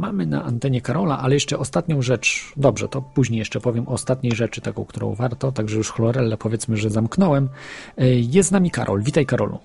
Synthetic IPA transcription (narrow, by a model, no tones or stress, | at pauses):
mamɘna̰ʔant̪ɛɲɛkaɾɔla̰ʔalɛjɛʂt͡ʂɛʔɔst̪at̪ɲɔ̃w̃ʐɛt͡ʂd̪ɔbʐɛ̰t̪ɔpuʑɲejɛʂt͡ʂɛpɔvʲjɛmʔɔːst̪at̪ɲejʐɛt͡ʂɘ̥t̪akɔ̃w̃kt̪uɾɔ̰̃w̃vaɾt̪ɔt̪aɡʐɛjuʂxɔlɔɾɛlːɛpɔvʲjɛt̪smɘʐɛzamknɔwɛm | jɛst̪namʲika̰ɾʔɔ̰lvʲit̪ajkaɾɔ̰lṵ